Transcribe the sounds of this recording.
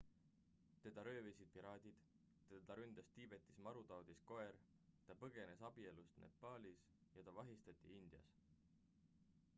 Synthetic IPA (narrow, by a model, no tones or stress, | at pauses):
t̪e̞d̪̥ɑɾø̞ːvesid̪̚piɾɑːd̪̥ʲid̪̥ | t̪ed̪ɑɾynd̪̥ɑst̪iːb̥e̞t̪ːˑismɑɾut̪ɑwd̪̥isko̞e̞r | t̪ɑpɤɡ̥e̞ne̞sɑb̥ie̞lust̪nʔe̞̰pːˑɑːlis | jɑt̪ɑvɑɦist̪ɑt̪ʲˑːiind̪̥jɑ̰s